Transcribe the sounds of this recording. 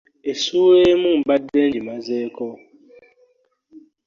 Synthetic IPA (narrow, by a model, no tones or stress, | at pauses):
esuemũm̩badend͡ʒimazeːkɔ